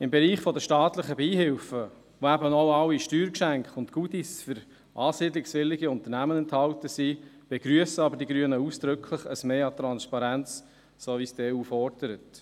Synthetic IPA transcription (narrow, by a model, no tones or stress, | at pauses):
ɪmbeɾiːχfɔd̪əʃtɑːt̪ləχəbiːɦɪlfə | ʋoæbənoʊɑwiʃtyːɾkʃæŋkχʊntɡ̥ud̪isfʏɾ | ʔɑːsiːdlɪksvɪlɪɡiʊnt̪əɾnæmənɛnthɑlt̪əsi | b̥eɡ̥ɾyəsəɑbəɾdiɡɾyənəusd̪̥ɾɵkʰləχəsmeːɑt̪ɾɑnspɑɾænt͡s | soːʋisd̥eːuːfɔrd̥əɾət